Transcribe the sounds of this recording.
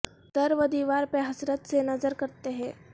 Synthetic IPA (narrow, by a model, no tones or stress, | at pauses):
d̪̥ɐɾʋəd̪iʋaːɾpəɦɐsɾət̪senɐzəɾkɐɾt̪eɦɛ̃ː